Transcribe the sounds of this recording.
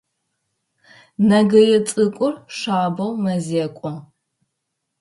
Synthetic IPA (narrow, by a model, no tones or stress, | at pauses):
nɐɡɐjɛt͡sʼɨkʷʼʊrʂaːbɐwmɐzeːkʷʼɔ